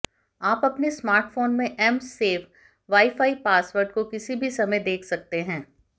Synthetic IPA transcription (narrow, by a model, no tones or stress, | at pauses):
aːpɐpnesmaːɾʈfoːnmẽʔɛmseːʋ | ʋaːifaːipaːsʋəɾɖ̚kokɪsibʱisɐməjd̪eːkʰsɐk̚t̪eɦɛ̃ː